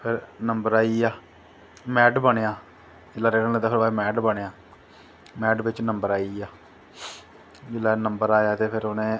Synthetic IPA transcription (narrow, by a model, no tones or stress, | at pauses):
pʰɪɾnəmbəɾaːiaː | mɛːʈbəɽ̃eːaː | d͡ʒɪlːaːɾeːʈənled̪aːpʰɪɾʋaːemɛːʈbəɽ̃eːaː | mɛːʈʋɪt͡ʃnəmbəɾaːiːaː | d͡ʒɪlːaːnəmbəɾaːjaːt̪eːpʰɪɾʊnẽː